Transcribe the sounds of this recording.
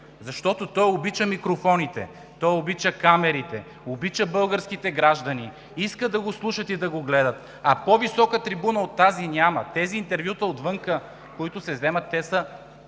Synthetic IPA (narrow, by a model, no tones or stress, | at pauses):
zɐʃt̪ɔt̪ot̪ɔjobit͡ʃəmikɾofɔnit̪ɛ̰ | t̪ɔjobit͡ʃəkamɛɾit̪ɛ | obit͡ʃəbɤlˠɡəɾsk̟it̪ɛɡɾaʒd̪ɐni | iskəd̪ɐɡoslˠuʃət̪id̪ɐɡoɡlɛd̪ɐt̪ | ɐpovisɔkət̪ɾibunəot̪ːazinʲjamɐt̪ɛziːnt̪ɛɾvjut̪əot̪vɤŋkə | koit̪ʊsɛzɛmɐt̪ːɛsə